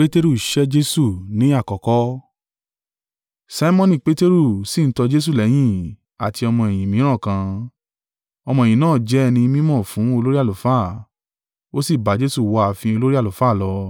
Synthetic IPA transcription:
e˦te˦ɾu˦˨i˨ʃɛ˦d͡ʒe˦su˦˨nĩ˨˦a˦˨kɔ˨kɔ˦ | sa˧˦i˦mɔ̃˦nĩ˧˨k͡pe˦te˦ɾu˦˨si˦˨n̩˦tɔ˧d͡ʒe˦s̬u˦˨lɛ˨˦j̃ĩ˦˨ | a˨ti˧ɔ˧mɔ̃˧ɛ˨j̃ĩ˨mĩ˨˦ɾ̃ã˦˨kã˧ | ɔ˧mɔ̃˧e˨ĩ˨nãː˦˨d͡ʒɛ˦˧nĩ˧mĩ˦mɔ̃˦˨fũ˨˦o˧lo˦ɾi˦a˦˨lo˨˦faː˦˨ | o˦si˦˨ba˨˦d͡ʒe˦su˦˨wɔ˧a˨fĩ˧o˧lo˦ɾi˦a˦˨lo˨faː˦˨lɔ˧

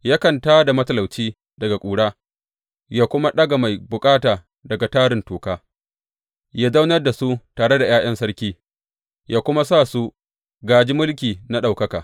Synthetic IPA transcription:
jaː˦kɐ˨ntaː˦da˨mɐ˦tɐ˨lɐ˨wt͡ʃiː˦ | dɐ˨ɡa˨kʷʼuː˨ɽaː˦ | jaː˦kʷʊ˦ma˦ɗɐ˦ɡa˨ma˨jbʊ˨kʼaː˦taː˨ | dɐ˨ɡa˨taː˦ɽɪ˨ntoː˨kaː˦ | jaː˦zɐ˦wnɐ˦rda˨su˦taː˨ɽe˦da˨j̰aː˦ʔɐ˦nsɐ˦ɾkʲiː˦ | jaː˦kʷʊ˦ma˦sa˦˨su˦ | ɡaː˨d͡ʒi˦mʊ˦lkʲiː˨na˦ɗa˨wkɐ˦kaː˨

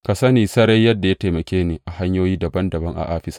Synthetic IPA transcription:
ka˨sɐ˦niː˨sɐ˦ɾɐ˦jːɐ˦dːa˨ja˦te˨mɐ˨kʲeː˦neː˨ʔa˨ha˦ɲjoː˦jiː˦dɐ˨bɐ˦ndɐ˨bɐ˦ŋʔa̰˨ʔaː˦ɸɪ˦sḁː˦

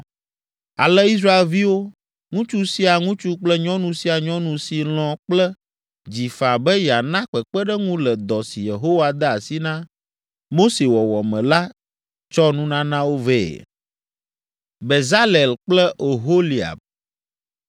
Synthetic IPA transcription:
a̰˨lɛ˦i˦s̬ɾa˦e˨lvi˦wo˦ | ŋũ˦t͡ʃu˦si˦a˨ŋũ˦t͡ʃu˦k͡plɛ˦ɲɔ̃˦nũ˨si˦a˨ɲɔ̃˦nũ˨si˨l̃ɔ̃˨k͡plɛ˦ | d͡ʑi˨fa˨bɛ˦ja˨nã˦k͡pɛ˨k͡pɛ˦ɖɛ˦ŋũ˦lɛ˨d̪ɔ˨si˨je˨ɦo˦wa˨d̪ɛ˦a˨si˦nã˦ | mo˦se˨wɔ˨wɔ˨mɛ̃˨la˦ | t͡ʃɔ˦nũ˦nã˦nã˦wo˦vɛ̰ː˦˨ | be˨za˦le˨lk͡plɛ˦ʔo˨ɦo˦li˨a̰˨b̚

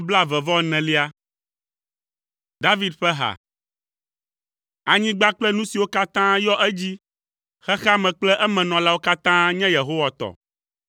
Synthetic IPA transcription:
bla˦˨vɛ˨vɔ˦nɛ̃˨li˦a˦ | d̪a˦vi˦d̪ɸɛ˦ɦa̰˨ | a˨ɲĩ˦ɡ͡ba˦k͡plɛ˦nũ˦si˨wo˦ka˦t̪ã˦jɔ˦ʔɛ˦d͡ʑi˦ | xɛ˦xa˦mɛ̃˨k͡plɛ˦ʔɛ˦mɛ̃˨nɔ̃˨la˦wo˦ka˦t̪ã˦ɲɛ̃˦je˨ɦo˦wa˨t̪ɔ̰˨

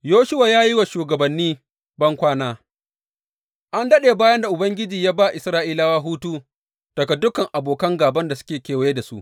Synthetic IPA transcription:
joː˦ʃʊ˦waː˨jaː˦ji˦wa˨ʃuː˨ɡɐ˨bɐ˨nːiː˦ | bɐ˦ŋkʷaː˦naː˦ | ʔa˦ndɐ˦ɗeː˨baː˦jɐ˦nda˨ʔʊ˨bɐ˦ŋɡʲɪ˦d͡ʒiː˨jaː˦baː˦ʔɪ˨sɾaː˦ʔiː˦laː˦waː˦ɦuː˦tuː˦ | tɐ˨kɐ˨dːʊ˦kɐ˨ŋʔa˨boː˨kɐ˦ŋɡaː˨bɐ˦nda˨sʊ̥˦kʲeː˨kʲeː˨wje˦da˨sṵ˦ʔ

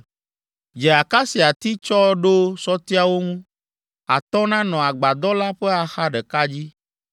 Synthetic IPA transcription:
d͡ʒɛ˨a˨ka˦si˨a˨t̪i˦t͡ʃɔ˦ɖo˦sɔ˦t̪i˦a˦wo˦ŋũ˦ | a̰˨t̪ɔ˦nã˦nɔ̃˨a˨ɡ͡ba˨d̪ɔ˦la˦ɸɛ˦a˨xa˦ɖɛ˨ka˦d͡ʑi˦

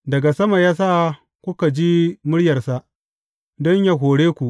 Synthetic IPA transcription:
dɐ˨ɡa˨sɐ˦ma˨jaː˦saː˦˨ | kʷʊ˦ka˨d͡ʒi˦mʊ˦ɽjɐ˨rsa˦ʔ | dɔ˦ɲja˦ɦoː˨ɽeː˦kʷu˨ʔ

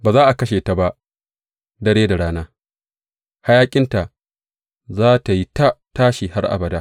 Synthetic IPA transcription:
baː˨zaː˦ʔa˨kɐ˦ʃeː˨ta˨ba˦ʔ | dɐ˦ɽeː˦da˨ɽaː˦naː˦ | ha˦jaː˦kʲʼɪ˦nta˨ʔ | zaː˦ta˨ji˦ta˦taː˦ʃi˨ha˦rʔa̰˨bɐ˨daː˦

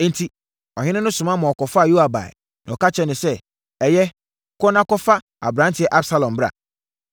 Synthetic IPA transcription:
n˦tʰi˦ | ɔ˨ɦɪ̃˦nɪ̃˦nʊ̃˦sʊ˨mã˦mɔ̃˨ɔ˨kɔ˨fa˦a˨ju˦a˨ba̰˨ɛ̰˨ | nã˨ɔ˨ka˦t͡ɕʰɛ˨nɪ̃˨sɛ˦ | ɛ˨jɛ˦˨ | kɔ˦nã˦kɔ˦fa˦ | a̰˨bɾã˨˦ntʰɪ˨˦ɛ˦ʔa˦bsa˦lɔ̃˨mbɾa̰˨

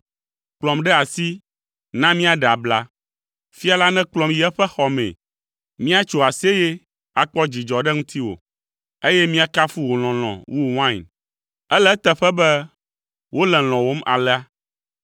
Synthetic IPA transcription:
k͡plɔ̃˨mɖɛ˦a˨si˦ | nã˦mĩ˦a˦˨ɖa˨bla˦ | fi˦a˨la˦nɛ̃˦k͡plɔ̃˨mji˨˦ɛ˦ɸɛ˦xɔ˨mɛ̰̃˨ | mĩ˦a˦t͡ʃo˨a˨se˦je˦ | a˨k͡pɔ˦d͡ʑi˨d͡ʒɔ˨ɖɛ˦ŋũ˦t̪ʰi˦wo̰˨ | e˦jɛ˦mĩ˦a˦ka˦fu˦wo˨l̃ɔ̃˨l̃ɔ̰̃˨wʔu˦˨wã˦˨n | ɛ˦lɛ˦t̪ɛ˦ɸɛ˦bɛ˦ | wo˦lɛ˨l̃ɔ̃˨wo˦mʔa̰˨lɛ˦a˦

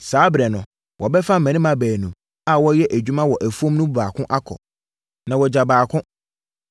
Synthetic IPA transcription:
saː˨˦bɾɛ˨nʊ̃˨ | wʔɔ˨bɛ˦fa˦m̩mɛ̃˨nɪ̃˦mã˨bæː˨nũ˨ | a˦wɔ˦jɛ˦ʔæ˨d͡ʑᶣu˦mã˦wɔ˨ʔæ˨fu˦ɔ̃˦mnʊ̃˦bbaː˨kʰʊ̃˦ʔa˦kʰɔ̰˨ | nã˨wɔ˨d͡ʑa˨baː˨kʰʊ̃˦

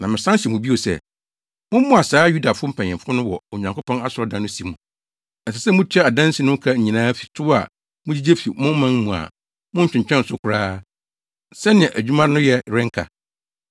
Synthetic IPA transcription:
nã˨mɪ̃˨sã˦nɕɛ˨mũ˨bi˦o˨sɛ̰˦ | mʊ̃˦m̩˦mʊ̃˦a˨saː˨˦ju˦da˨fʊ˦ʊ˦m̩˦pʰã˨ɲ˨ɛ̃˨fʊ˦nʊ̃˦wɔ˨o˨ɲã˨ŋkʊ˦pɔ̃˦na˦sʊ˨ɔ˨˦dã˨nːʊ̃˦si˨mũ˨ | ɛ˨sɛ˨sɛ˦mʊ̃˦t͡ɕʰᶣɛ˦a˨dã˦n˦si˨˦nʊ̃˦kʰa˦ɲ̩˨ɲĩ˨nãː˦fi̥˨tʰʊ˦wa̰˨ | mʊ̃˦d͡ʑi˦d͡ʑe˦fi˨mʊ̃˦m̩˦mːã˦n˦mũ˨a̰˨ | mʊ̃˦ɲ̩˦t͡ɕᶣɪ̃˨ɲᶣ˨ɛ̃˦n̩˨sʊ˦kʷʰʊ˨ɾaː˦ | sɛ˦nɪ̃˨ɛ̃˨ʔæ˨d͡ʑᶣu˦mã˦nʊ̃˦jɛ˦˨ɾɪ̃˦ŋ̩˦kʰa̰˨

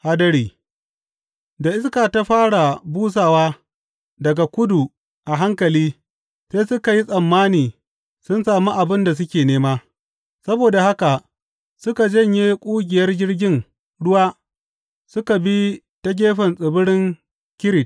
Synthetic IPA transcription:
ha˦dɐ˦ɽiː˨ | da˨ʔɪ˦skaː˨ta˦ɸaː˦ɽa˨buː˦s̬aː˨waː˦ | dɐ˨ɡa˨kʷʊ˦du˨ | ʔa˨ɦa˦ŋkɐ˨liː˦ | seː˦sʊ˦ka˨ji˦sʼɐ˨mːaː˦niː˨ | sʊ˦nsaː˨mu˦ʔa˨bɪ˦nda˨s̬ʊ˦kʲeː˨neː˦maː˦ | sɐ˦boː˨da˨ha˦ka˨ | sʊ˦ka˨d͡ʒɐ˦˨ɲji˦kʷʼuː˦ɡʲɪ˨jɐ˦rd͡ʒɪ˦rɡʲɪ˦ŋ | ɽʊ˦waː˦ | sʊ˦ka˨bi˦ | tɐ˦ɡʲeː˦ɸɐ˨nsʼɪ˨bʊ˦ɽɪ˦ŋ | kʲɪ˦ɾɪ˨t̚

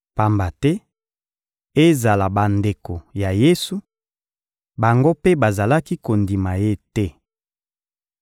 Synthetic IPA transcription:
pa˨mba˨tɛ˦ | e˦za˨la˨ba˨nde˨ko˨ja˨je˦su˨˦ | ba˨ŋɡo˦pe˦ba˨za˨la˦ki˦ko˨ndi˨ma˨je˦tɛ˦

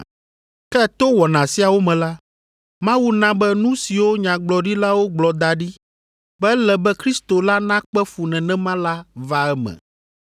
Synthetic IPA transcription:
kɛ˦t̪o˦wɔ˨nã˨si˦a˨wo˦mɛ̃˨la˦ | mã˦wu˦nã˦bɛ˦nũ˦si˨wo˦ɲã˨ɡ͡blɔ˨ɖi˦la˦wo˦ɡ͡blɔ˨d̪a˨ɖi˦ | bɛ˦lɛ˨bɛ˦kɾi˦st̪o˨la˦nã˦k͡pɛ˦fu˨nɛ̃˨nɛ̃˦mã˦la˦va˦ɛ˦mɛ̰̃˨

